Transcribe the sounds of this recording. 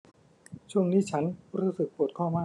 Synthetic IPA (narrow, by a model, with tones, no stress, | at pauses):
t͡ɕʰu˥˩əŋniː˦˥˩t͡ɕʰa˦˥nɾuː˦˥sɯ˨˩k̚pu˨˩t̪̚kʰɔː˥˩maː˥˩